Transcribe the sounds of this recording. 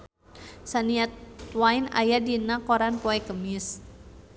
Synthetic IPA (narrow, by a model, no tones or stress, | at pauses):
saniat̪waina̰jadinakoɾanpɔɛkəmɪs